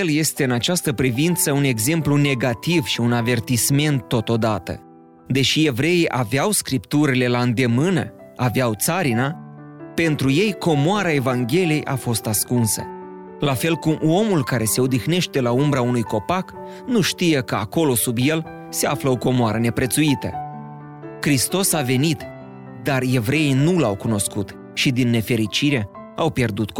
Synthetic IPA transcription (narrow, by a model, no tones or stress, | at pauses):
lje̞st̪e̞ɨnat͡ʃast̪əpɾivint̪səune̞ɡze̞mplune̞ɡat̪ivʃiunave̞rt̪isme̞nt̪ːo̞t̪o̞d̪at̪ə̰ | d̪e̞ʃie̞vɾe̞iʔaveawskɾipt̪uɾile̞laɨnd̪e̞mɨnə̰ | aveawt̪saɾinape̞nt̪ɾuje̞jko̞moaɾae̞vaŋɡʲe̞lie̞jʔa̰fo̞st̪askunsə̰ | lafe̞lkumo̞mulkaɾe̞se̞od̪ixne̞ʃt̪e̞laumbɾaunujko̞pak | nuʃt̪ije̞kəako̞lo̞subje̞l | se̞afləo̞ko̞moaɾəne̞pɾet̪suit̪ə̰ | kɾist̪o̞save̞nit̪ | d̪are̞vɾe̞inulawkuno̞skut̪ | ʃid̪inːe̞fe̞ɾit͡ʃiɾe̞ | awpje̞rd̪ut̪